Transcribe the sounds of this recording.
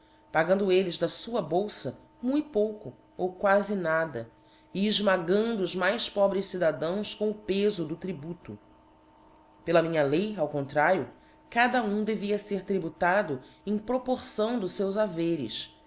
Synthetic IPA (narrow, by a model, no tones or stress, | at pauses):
paɡɐ̃nd̪ʊelɪzd̪ɐsuɐbowsɐ | mũj̪̃powkʊ | owkwazɪnad̪ɐ | iːʒmaɡɐ̃nd̪ʊʊzmajspɔbɾɪssid̪ad̪ɐ̃w̃skõw̃ʊpezʊd̪ʊt̪ɾibut̪ʊ | pelɐmĩɲɐlejawkõnt̪ɾaɾjʊ | kad̪ɐũd̪eviɐseɾt̪ɾibut̪ad̪ʊẽj̃pɾopoɾsɐ̃w̃d̪ʊʃsewzaveɾɪ̰s